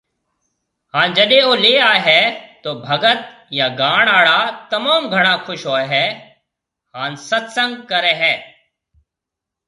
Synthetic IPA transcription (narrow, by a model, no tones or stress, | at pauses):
hãːnd͡ʒəɗẽːoːleːaːeɦɛːt̪oːbʱəɡət̪̚ | jaːɡaːɳaːɭaːt̪ɐmaːmɡʱəɽ̃aːkʰʊʃɦoːeɦɛː | haːnsɐt̪sə̃ŋɡ̚kəɾeːɦɛː